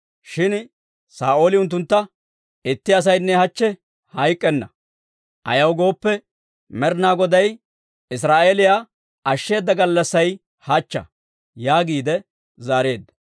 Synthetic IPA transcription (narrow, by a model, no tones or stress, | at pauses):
ʃɪn | saːʔo̞ːlɪʊnt̪̬ːʊnt̪ːɐ | ɪt̪ːɪɐs̬ɐjnːɛhɐt͡ʃːɛ | hɐjkʼːɛnːɐ | ʔɐ̰jɐwɡo̞ːpːɛ | mɛɾnaːɡɔd̪ɐj | ɪs̬ɾaːʔeːlɪja | ɐʃːe̞ːd̪ːɐɡɐlːɐsːɐj | hɐt͡ʃːɐ̰ | jaːɡiːd̪ɛ | zaːɾe̞ːd̪ːɐ̥